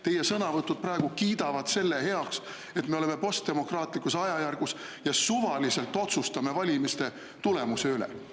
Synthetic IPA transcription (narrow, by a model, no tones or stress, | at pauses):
t̪e̞jesɤnɑvɤt̪ːud̪̚prɑe̞ɡ̥ukiːd̪ɑvɑd̪̥se̞lːe̞he̞ɑks | e̞t̪ːme̞o̞le̞me̞po̞st̪̚e̞mo̞krɑːt̪ˑlikːˑusɑjɑjærɡ̥us | jɑsuvɑlise̞lt̪ːˑo̞t̪sust̪ɑme̞vɑlʲimist̪e̞ | t̪ule̞muse̞ylɛ̰